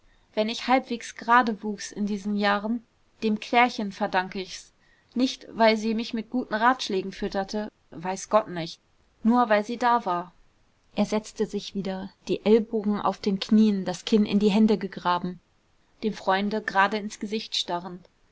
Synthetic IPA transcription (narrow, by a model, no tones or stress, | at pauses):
v̥ɛnɪçhalpv̥eːksɡ̥ʁaːdəvuːksɪ̰ndiːzn̩jaːʁən | d̥eːmkʰl̥ɛːɐçənfɛɐdaŋkəɪçs | nɪçtv̥aɪlziːmɪçmɪt̚ɡ̥uːtn̩ʁaːtʃlɛːɡŋ̩fʏtɐtʰə | vaɪsɡ̥ɔtnɪçt̚ | nuːɐvaɪlziːdaːvaːɐ | ʔeːɐzɛt͡stəzɪçv̥iːdɐd̥iːʔɛlboːɡŋ̩ʔa̰ʊfd̥eːnkʰniːəndaskʰɪnɪ̰ndiːɦɛndəɡəɡʁaːbm̩ | d̥eːmfʁ̥ɔʏndəɡʁaːdəɪnsɡ̥əzɪçtʃtaʁən